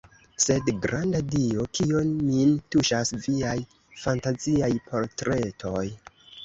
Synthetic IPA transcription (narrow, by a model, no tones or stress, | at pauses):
se̞dɡɾandadio̞kio̞nmintuʃasviaj | fantaziajpʰo̞ɾtɾe̞tʰo̞j